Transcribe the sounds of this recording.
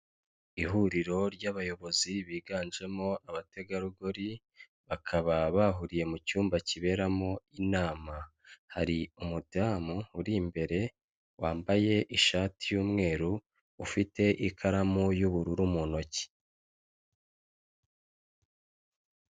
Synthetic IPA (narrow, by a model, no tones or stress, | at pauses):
iɦuɾiɾo̞ɾɟaβajo̞βo̞ziβiːɡaːnʒe̞mo̞ʔaβate̞ɡaɾuɡoɾi | βakʰaβaβaɦuɾije̞mucuːmbaciβe̞ːɾamo̞inaːma | ha̰ɾiumudamuːɾimbe̞ɾe̞ | waːmbaje̞ʔiʃaːtʰijuːmŋe̞ːɾuː | fite̞ʔikʰaɾamujuβuɾuɾumuno̞ci̥